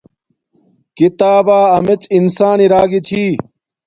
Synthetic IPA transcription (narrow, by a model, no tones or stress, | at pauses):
kit̪aːbaːɐmet͡sinsaːniɾaːɡit͡ɕʰiː